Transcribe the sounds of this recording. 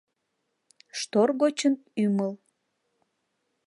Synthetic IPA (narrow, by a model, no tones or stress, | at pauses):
ʃt̪orɣot͡ɕənyməl